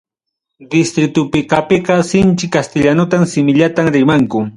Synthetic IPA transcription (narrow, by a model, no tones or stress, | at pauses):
d̪ɪst̪ɾɪt̪ʊpɪkapɪqɑsɪnt͡ʃɪkast̪ɪʎanʊt̪amsɪmɪʎat̪amɾɪmaŋkʊ